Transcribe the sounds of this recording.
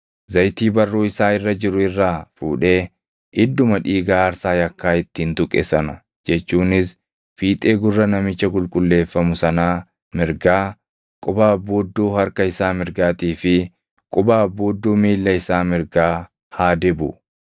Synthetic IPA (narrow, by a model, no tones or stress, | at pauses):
zɐjt̪iːbɐrːoːɪsaːɪrːɐd͡ʒɪɾʊɪrːaːfṵːᶑe̞ː | ʔɪd̪ːʊmɐᶑiːɡaːɐɾsaːjɐkːaːɪt̪ːiːnt̪ʊkʼːɛ̰sɐnɐ | d͡ʒɛt͡ʃːuːnɪs | fiːt̪ʼe̞ːɡʊrːɐnɐmɪt͡ʃːɐkʼʊlkʼʊlːe̞ːfːɐmʊsɐnaː | mɪɾɡaː | kʼʊbaːbːoːd̪ːoːhɐɾkɐɪsaːmɪɾɡaːt̪iːfɪ | kʼʊbaːbːoːd̪ːoːmiːlːɐɪsaːmɪɾɡaː | haːd̪ɛbʊ